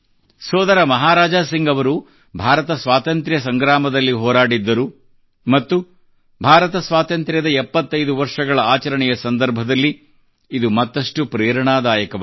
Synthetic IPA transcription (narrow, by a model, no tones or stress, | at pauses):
sɔːd̪ɐɾɐmɐɦaːɾaːd͡ʒaːsiŋɡɐʋɐɾu | bʱaːɾɐt̪ɐsʋaːt̪ɐnt̪ɾjɐs̬ɐŋɡɾaːmɐd̪ɐlːiɦɔːɾaːɽid̪ːɐɾu | mɐt̪ːu | bʱaːɾɐt̪ɐsʋaːt̪ɐnt̪ɾʲjɐd̪ɐɛpːɐt̪ːɐjd̪uʋɐɾʂɐɡɐɭɐaːt͡ʃɐɾɐɳɛjɐsɐnd̪ɐɾbʱɐd̪ɐlːiː | d̪umɐt̪ːɐʂʈupɾeːɾɐɳaːd̪aːjɐkɐʋ